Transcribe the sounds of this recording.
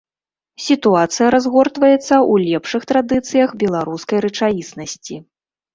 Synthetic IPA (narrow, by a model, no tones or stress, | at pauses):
sʲit̪uat̪sɨjɐɾazɣɔrt̪vɐjɛt̪sːɐʔulʲɛpʂɨxt̪ɾad̪ɨt̪sɨjɐxbʲɛlˠaɾuskɐjɾɨt͡ʂajisnɐsʲt͡sʲi